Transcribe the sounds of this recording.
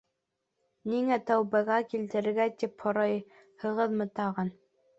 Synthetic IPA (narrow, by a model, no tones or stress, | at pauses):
niŋæt̪æwbæɣækilt̪ɘ̆ɾɘ̆ɾɡæt̪ipχŏɾɑj | hɤ̆ʁɤðmɤ̆t̪ɑʁɑn